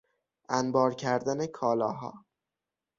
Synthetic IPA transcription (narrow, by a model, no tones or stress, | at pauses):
ʔænbɒːɾcʰæɾd̪ænekʰɒːlɒːɦɒ̰ː